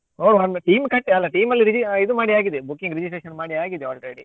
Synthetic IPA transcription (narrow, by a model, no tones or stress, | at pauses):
oːɾʋɐnʈiːmkɐʈːɛlːɐʈiːmɐlːiɾɪd͡ʒɪɪðɯmaːɽiaːɣiðɯbʊkːɪ̃ŋɡɾɪd͡ʒɪsʈɾeːʃɐnmaːɽiaːɡiðɯaːlʈɾeːɽḭ